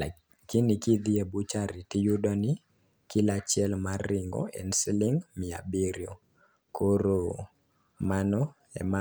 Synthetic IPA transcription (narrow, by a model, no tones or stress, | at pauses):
kɪnɪkid̪iebut͡ʃaɾitijudɔnɪ | kɪlat͡ʃɪɛlmaɾɪŋɡɔ̰ʔɛ̰nsilɪŋmɪa̰biɾjo | koɾo | manɔ | ɛ̰ma